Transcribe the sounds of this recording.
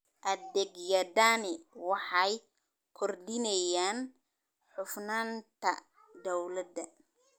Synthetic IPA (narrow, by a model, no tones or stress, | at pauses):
ʔɐd̪ɛɡjɐd̪anɛwɑħɑj | kʰɔrd̪ɪnɛjaːn | ħʊfnaːnt̪ʰɐ̰ | d̪ɔwlɐd̪ɐ